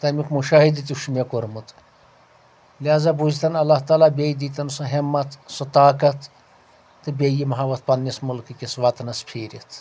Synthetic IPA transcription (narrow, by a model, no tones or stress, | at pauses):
t̪ɐmikmuʃaːɦid̪it̪ʲuʃmʲekoɾmut̪ | liaːzabuzt̪ɐnɐlːaht̪aːlaːbʲejd̪iːt̪ɐnsoɦemːɐt̪sot̪aːkɐt̪ʰː | ɨbʲejimɐɦɐʋɐt̪̚ʰpɐnːismulkikʲisʋat̪nɐspʰeːɾit̪ʰ